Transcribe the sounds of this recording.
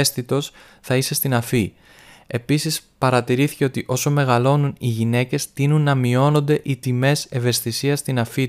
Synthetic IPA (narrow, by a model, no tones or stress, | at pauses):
st̪it̪o̞s | θɐise̞st̪inɐfi | e̞pisispɐɾɐt̪iɾiθi̥ce̞o̞t̪iʔo̞so̞me̞ɣɐlo̞nuniʝine̞ce̞st̪inunːɐmio̞no̞nd̪e̞ʔit̪ime̞se̞ve̞st̪isiɐst̪inɐfi